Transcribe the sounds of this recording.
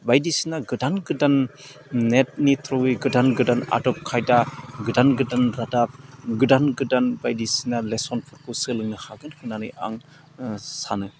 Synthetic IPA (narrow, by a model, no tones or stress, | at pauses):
bajdisinaɡɯdanɡɯdanː | et̚nitʰɾɔwiɡɯdanɡɯdana̰dɔp̚kʰajdaɡɯdanɡɯdanɾadap̚ɡɯdanɡɯdanbajdisinalesɔnpʰɔɾkʰusɯlɯŋnɯhaɡɯnkʰɯnanɯja̰ŋ | sa̰nɯ